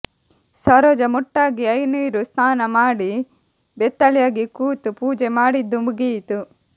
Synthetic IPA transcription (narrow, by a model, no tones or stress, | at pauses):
sɐɾoːd͡ʒɐmɔʈːaːɡiɐjniːɾust̪aːnɐmaːɽi | bet̪ːɐljaːɡikuːt̪upuːd͡ʒemaːɽid̪ːumuɡiːt̪u